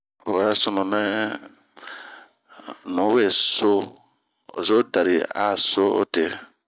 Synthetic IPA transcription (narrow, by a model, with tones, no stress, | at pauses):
o˨a˦ɾa˦sɔ˨nɔ˨mɛ̃˦ | nɔ̃˨˦we˨so˦ | o̰˨so˦da˨ɾi˨a̰˨so˦o̰˦te˨